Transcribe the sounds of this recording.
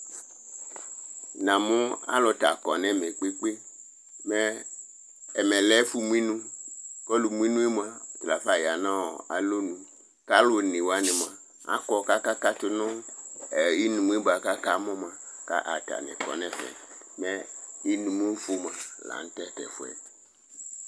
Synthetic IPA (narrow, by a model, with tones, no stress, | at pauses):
nã˨mũ˦a̰˦lɔ˨ta˨kɔ̰˨nɛ̃˦mɛ˨k͡pe˦k͡pe˦ | mɛ˦ | ɛ˨mɛ̃˨lɛ˦fu˦mũ˦ĩ˦nũ˦kɔ˦lu˨mu˦ĩ˦nũ˦i˦mu˨a˨tla˨fa˦˨ja˨nã˦wɔ̰˨a̰˨lo˦nũ˨ | ka˦lo˨nĩ˨wa˦nɪ̃˨m˨a˨ | a̰˦kɔ˨ka˦ka˦ka˦tʊ˨nʊ̃˦ɛ˨i˦nũ˨mu˦i˦ba˨ka˦ka˦mɔ̃˦mã˨ | ka̰˦ʔa˨ta̰˨nɛ̰̃˨kɔ̰˨nɛ̃˦fɛ̰˨ | mɛ̃˦i˦nũ˨mũ˦fu˦m˨ã˨la̰˨n̩˦tɛ˦tɛ̰˨fʊ˦ɛ̰˨